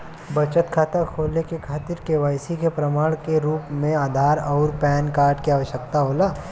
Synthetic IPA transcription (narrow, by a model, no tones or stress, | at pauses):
bɐt͡ʃət̪kʰaːt̪akʰoːlnekekʰaːt̪ɪɾkeʋaːɪsikepɾɐmaːɽ̃keɾuːpmẽaːd̪ʱaːɾɔːɾpɛːnkaːɾʈkiaːʋəʃjək̚t̪aɦoːlaː